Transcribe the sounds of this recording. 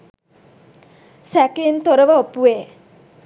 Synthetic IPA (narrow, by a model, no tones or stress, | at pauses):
sækent̪oɾəʋəopue